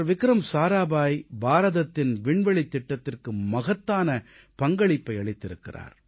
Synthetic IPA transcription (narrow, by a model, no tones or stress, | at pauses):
ɾʋɪkɾɐmsaːɾaːbaːjbaːɾɐðɐt̪ːɪnʋɪɳʋɐɭit̪ːɪʈːɐt̪ːɪrkɯmɐɣɐt̪ːaːnɐ | pɐŋɡɐɭɪpːɐɪɐɭɪt̪ːɪɾɯkːɪra̰ːɾ